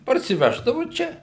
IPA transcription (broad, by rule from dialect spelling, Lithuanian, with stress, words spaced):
pɐrʲsʲɪˈʋʲæːʒdɐʋʊ ˈt͡ʃʲɛ